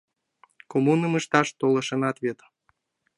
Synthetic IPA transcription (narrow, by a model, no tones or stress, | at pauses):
komunəməʃt̪ɑʃt̪olɤ̆ʃə̆nɑt̪βet̪